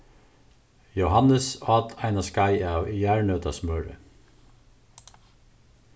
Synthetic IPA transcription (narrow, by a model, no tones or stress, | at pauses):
jʊhɑnəsɑːt̪ʰæɪnɑskɑɪɑːjæːɹɳœːt̪ɑsmœːɹə̰